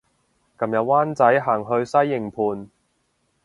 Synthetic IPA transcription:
kɐ˨˧mjɐ˨˧w̚waː˥nt͡sɐ˨˥jɦaː˨˩ŋɦɵ˧ɥsɐ˥jːɪ˨˩ŋpʰuː˨˧n

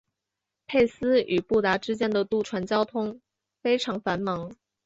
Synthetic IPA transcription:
pʰe˥˩ɪsɹ̩˥y˨˩pu˥˩t̪a˧˥ʈ͡ʂɻ̩˥t͡ɕjɛ˥nd̪ə˨t̪u˥˩ʈ͡ʂʰwa˧˥nt͡ɕjɑ˥ʊt̪ʰʊ˥ŋ | fe˥ɪʈ͡ʂʰɑ˧˥ŋfa˧˥nmɑ˧˥ŋ

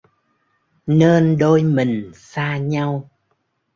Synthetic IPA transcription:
neː˧nɗo˧jmï˨˩ŋ̟saː˧ɲa˧w

